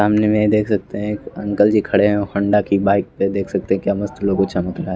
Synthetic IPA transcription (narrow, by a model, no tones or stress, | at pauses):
saːmnemẽd̪eːkʰsɐk̚t̪eɦɛ̃eːkɐ̰̃ŋkəld͡ʒikʰɐɽeɦɛ̃oxɐ̃ɳɖakibaːɪk̚ped̪eːkʰsɐk̚t̪eɦɛ̃kjaːmɐst̪lõkot͡ʃɐməkɾaːɦɛ